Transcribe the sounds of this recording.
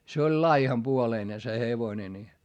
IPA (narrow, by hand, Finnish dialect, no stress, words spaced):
se olʲ lɑihɑmpuoleine se heʋone ni